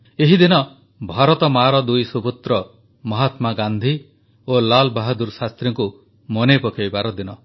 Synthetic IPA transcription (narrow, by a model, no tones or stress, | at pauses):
eɦid̪inɔ | bʱaɾɔt̪ɔmaɾɔd̪ujsubut̪ɾɔ | mɔɦat̪maɡand̪ʱi | olalbaɦad̪uɾsast̪ɾiŋku | mɔnepɔkʰajbaɾɔd̪inɔ